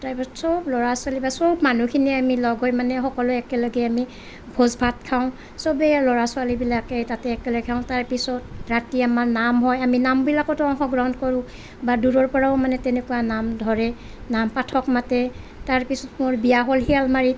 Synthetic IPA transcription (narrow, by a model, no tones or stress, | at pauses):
taɹpisɔtsɔblɔɹasʊalibasɔbmanukʰiniamilɔɡɔjmanɛxɔkɔlʊɛkɛlɔɡɛami | bʱozbʱatkʰaʊ̃ | sɔbɛjalɔɹasʊalibilakɛtatɛːkɛlɔɡɛkʰaʊ̃taɹpisɔt̚ɹatiamaɹnamɦɔjaminambilakɔtɔŋxɔɡɹawndkɔɹʊ̃ | baduɹɔɹpɔɹaʊmanɛtɛnekuwanamdʱɔɹɛ | nampatʰɔkmatɛ | taɹpisɔtmʊɹbijaɦɔlɦialmaɹi